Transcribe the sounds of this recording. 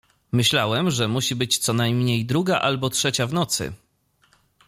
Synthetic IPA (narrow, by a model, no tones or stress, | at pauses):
mɘɕlawɛmʐɛmuɕibɘt͡ɕt̪sɔnajmɲejd̪ɾuɡaʔalbɔtʂɛt͡ɕavnɔt̪sɘ̰